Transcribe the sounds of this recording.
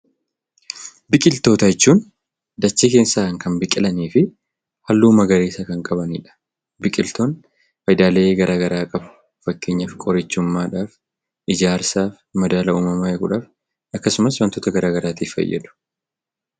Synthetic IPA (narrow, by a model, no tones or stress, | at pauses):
bɪkʼɪlt̪o̞ːt̪ɐjɛt͡ʃːuːn | d̪ɐt͡ʃːike̞ːsːaːɐŋkɐnbɪkʼɪlɐniːfɪ | hɐlːuːmɐɡɐɾeːsɐkɐŋkʼɐbɐnḭᶑɐ̥ | bɪkʼɪlt̪oːn | fɐjd̪aːle̞ːɡɐɾʔaːɡɐɾaːkʼɐbʊ̥ | fɐkːeːɲːɐfkʼɔɾɛt͡ʃːʊmːaːᶑaːf | ʔɪd͡ʒaːɾsaːf | mɐd̪aːlɐuːmɐmaːjɛkʼʊᶑaːf | ɐkːɐsʊmɐswɐnt̪oːt̪ɐɡɐɾaːɡɐɾaːt̪iːfːɐ̰jːɐ̰d̪ʊ̥